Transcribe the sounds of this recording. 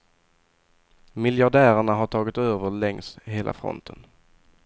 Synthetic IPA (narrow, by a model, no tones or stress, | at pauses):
mɪljaɖæːɾəɳaɦaʈʰɑːɡɪt̪øːvəɭɛŋsɦeːlʔa̰fɾɔ̰nt̪ʰən